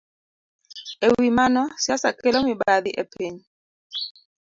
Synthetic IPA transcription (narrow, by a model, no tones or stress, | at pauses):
ewimanɔsjasakɛlɔmiɓaðiʔɛpʰeɲi